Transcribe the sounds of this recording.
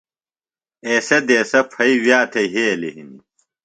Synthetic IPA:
eːsɐd̪eːsɐpʰɐiwjaːt̪ʰeɦeːliɦini

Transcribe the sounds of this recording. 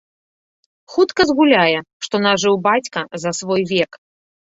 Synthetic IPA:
xut̪kɐzɣulʲajɛʂt̪ɔnaʐɨwbat͡sʲkɐzɐsvɔjvʲɛk

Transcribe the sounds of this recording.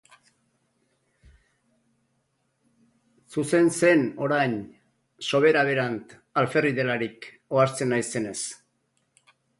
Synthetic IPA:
suse̞nse̞no̞ɾajn | so̞β̞e̞ɾaβ̞e̞ɾant̪ | alfe̞riðe̞laɾik | o̞aɾt͡se̞najse̞ne̞s

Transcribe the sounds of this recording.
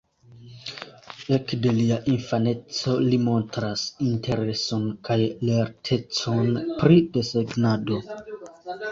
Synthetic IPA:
e̞kde̞liaʔinfane̞t͡so̞limo̞ntɾasintʰe̞ɾe̞so̞nkajle̞ɾtʰe̞t͡so̞npɾide̞seɡnado̞

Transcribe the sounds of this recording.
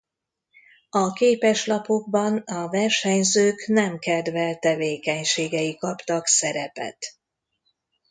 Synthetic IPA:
ɒkeːpɛʃlɒpoɡ̚bɒnɒvɛrʃɛɲzøːknɛmkɛd̪vɛlt̪ɛveːkɛɲʃeːɡɛjikɒpt̪ɒksɛɾɛpɛ̰t̪

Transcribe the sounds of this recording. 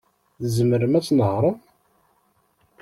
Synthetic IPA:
θəzəməɾəmæt͡sːnəhɾˤə

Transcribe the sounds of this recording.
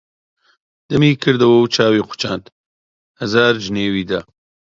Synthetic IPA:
d̪̥ɐmiːkʰɨɾd̪ɐwɐwt͡ʃʰaːwiːqʷʊ̥t͡ʃaːnt̪ | hɐzaːɾd͡ʒneːwiːd̪aː

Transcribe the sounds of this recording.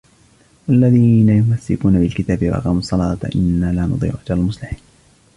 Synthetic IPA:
walːaðiːnajʊmasːɪ̰kuːnabɪlkɪt̪aːbɪwa̰ʔɑ̰qɑːmsˤːɑlɑːt̪ʔɪ̰nːaːlaːnʊ̰d̪ˤḭːʕʊʔad͡ʒalalmʊsˤlɪħiːn

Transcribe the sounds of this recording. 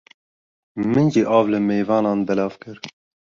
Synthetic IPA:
mɨnd͡ʒiːʔɑːvlɨmeːvɑːnɑːnbɛlɑːvkɨɾ

